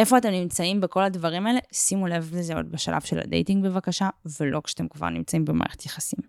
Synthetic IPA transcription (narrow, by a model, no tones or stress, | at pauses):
e̞fo̞at̪e̞mnimt͡saimbeko̞ladvaʁimaele̞simulevlezeo̞̰dbeʃa̰lʔa̰v̥ʃela̰dejtiŋɡbe̞vakaʃavelo̞kʃat̪e̞mkva̰ʁnimt͡saimbema̰ːʁḛχet̪jaχasim